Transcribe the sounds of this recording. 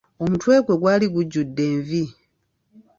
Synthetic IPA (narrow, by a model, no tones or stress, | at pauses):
o̞mutwe̞ːkwe̞ɡwaːliɡuɟːudːe̞ːɱvi